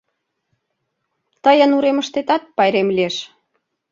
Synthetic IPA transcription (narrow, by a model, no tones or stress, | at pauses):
t̪əjə̆nuɾeməʃt̪et̪ɑt̪̚pɑjɾemlieʃ